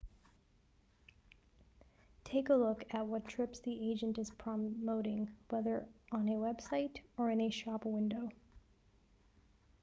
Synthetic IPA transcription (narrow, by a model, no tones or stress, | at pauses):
tʰeɪkəlʊkɨt̚wʌtʰɹ̥ɪpsðieɪd͡ʒɨ̃ntɨz̥pʰɹ̥əmoʊɾɪ̃ŋwɛðə˞ə̃nɨwɛb̥saɪɾə˞ɨ̃nɨʃɑpwɪ̃ndoʊ